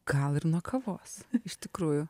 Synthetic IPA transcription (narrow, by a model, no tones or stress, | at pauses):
ɡɐlˠɪɾnuɔkʰɐʋoːsɪʃt̪ʲɪkɾuːjʊ